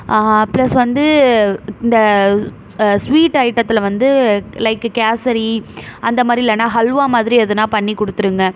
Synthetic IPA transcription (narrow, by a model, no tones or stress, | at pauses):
plɐsʋɐnd̪ɯ | ɪnd̪ɐ | sʋiːʈːɐɪʈːɐt̪ːɪlʋɐnd̪ɯlɐɪkːkaːsɐɾiɐnd̪ɐmaːd̪ɾiɪlːɐnaːɦɐlʋaːmaːðɪɾiɐðɯnãːpɐɳːikːɔɽɯt̪ːɯɾɯŋɡɐ